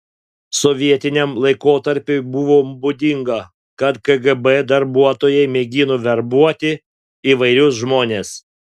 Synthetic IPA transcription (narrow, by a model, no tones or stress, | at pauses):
sɔʋʲiɛt̪ʲɪnʲɛmlˠɐɪkoːt̪ɐɾʲpʲʊbuʋoːbʊd̪ʲɪŋɡɐ | kɐt̪ɡɐɡɛbɛd̪ɐɾbuɔt̪oːjɛɪmʲɛɡʲɪnoʋʲɛɾbuɔt̪ʲɪ | iːʋɐɪɾʲʊs̬ʒmoːnʲes